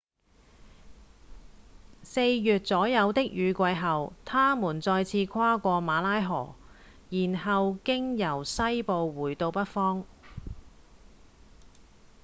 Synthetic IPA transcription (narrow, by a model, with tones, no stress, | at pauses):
se˧jjyː˨t̚t͡sɔː˨˥jɐ˨˧wt̪ɪ˥k̚jyː˨˧kʷɐ˧jɦɐ˨wt̪ʰaː˥muː˨˩nt͡sɔː˧jt͡sʰiː˧kʰwaː˥kʷɔː˧maː˨˧laː˥jɦɔ̰ː˨˩ | jiː˨˩nɦɐ˨wkɪ˥ŋjɐ˨˩wsɐ˥jpo˨˧wwuː˨˩jt̪o˧wpɐ˥t̚fɔː˥ŋ